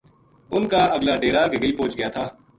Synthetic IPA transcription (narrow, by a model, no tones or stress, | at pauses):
ʊnkaːəɡlaːɖeːɾaːɡəɡəiːpõːt͡ʃɡɪjaːt̪ʰaː